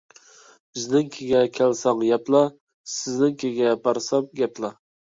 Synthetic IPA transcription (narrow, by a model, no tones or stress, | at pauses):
b̥ɪznɪŋkʲʰeɡʲɛkʲʰælsɑŋjɛplˠɑ | sɪznɪŋkʲʰeɡʲɛpʰɑɾsɑmɡʲɛplˠɑ